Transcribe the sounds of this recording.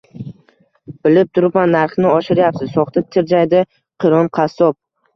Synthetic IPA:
b̥ɪlɪp̚t̪ʰʊɾɪpmanːaɾχnɪɒʃɪɾjap̚t̪ɪzsɒχt̪ʰat̪ʰɪɾd͡ʒajd̪ɪ | qʰɨɾɒnqʰɑsɒp̚

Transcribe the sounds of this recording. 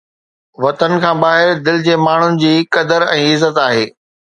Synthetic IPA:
ʋɐt̪ənɪ̆kʰãːbaːɦɪɾd̪ɪlɪd͡ʑeːmaːɳ̤ʊnɪ̆d͡ʑiːkɐd̪əɾɛ̃ːɪzːət̪aːɦeː

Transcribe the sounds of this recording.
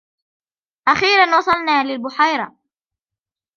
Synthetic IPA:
ʔaxiːɾanwɑsˤɑlnaːlɪlbʊħajɾˤɑ

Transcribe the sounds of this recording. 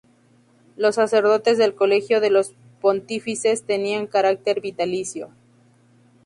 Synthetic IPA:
lo̞sːase̞ɾðo̞t̪e̞zðe̞lko̞lexjo̞ðe̞lo̞s | po̞nt̪ifise̞st̪e̞niaŋkaɾak̚t̪e̞ɾβit̪alisjo̞̰

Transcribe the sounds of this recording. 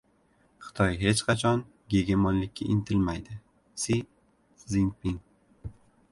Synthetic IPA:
χɨ̥t̪ʰɒjɦe̞t͡ʃqʰɑt͡ʃʰɒn | ɡʲe̞ɡʲemɒnlɪkʲʰːaʔɪnt̪ʰɪlmajd̪ɪ | si | zinpiŋ

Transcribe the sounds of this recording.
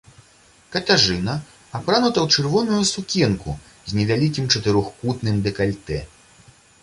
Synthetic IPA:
kɐt̪ʲaʐɨnɐ | apɾanut̪ɐwt͡ʂɨrvɔnujusukʲɛnkṵ | zʲnʲɛvʲalʲikʲimt͡ʂɐt̪ɨɾɔxkut̪nɨmd̪ɛkalʲt̪ɛ

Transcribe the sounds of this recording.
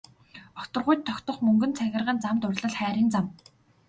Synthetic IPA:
ɔkt̪ɞ̆rʁʊjt̪ʰːɔkt̪ɞ̆χmɵŋɡɵ̆nt͡sʰæɣʲɪ̆rʁə̆nt͡samt̪ʊrʲɮə̆ɮχæːɾʲiːnt͡sam

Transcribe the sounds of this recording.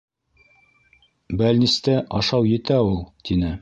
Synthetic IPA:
bælnist̪æʔɑʃɑwjɘ̆t̪æulˠt̪inɘ

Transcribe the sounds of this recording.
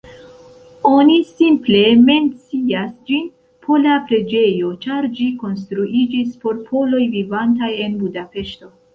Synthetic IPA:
o̞nisimple̞me̞nt͡siasd͡ʒin | pʰo̞lapɾe̞d͡ʒe̞jo̞t͡ʃaɾd͡ʒiko̞ns̬t̪ɾuʔid͡ʒispo̞ɾpʰo̞lo̞jvivantaje̞nbudape̞ʃto̞

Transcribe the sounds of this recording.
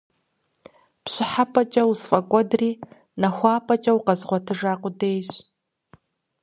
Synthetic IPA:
pɕʷʊħapʼɐt͡ʃʼɐwusfʼɐkʷʼɔdriː | nɐxʷɑːpʰʼɐt͡ʃʼɐwqɐzʁʷɔtʰɨʐaːqʷʊdejɕ

